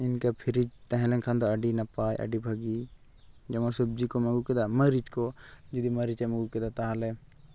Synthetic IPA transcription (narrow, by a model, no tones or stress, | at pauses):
ɪnkapʰɪɾid͡ʒt̪ɐ̃ɦɛ̃lẽnkʰãnd̪oɐɖinɐpaːjʔɐ̰ɖibʱɐɡi | d͡ʒɐmõsub̚d͡ʒikomɐɡuked̪amɐɾit͡ʃkod͡ʒud̪imɐɾit͡ʃemɐɡuked̪at̪aɦale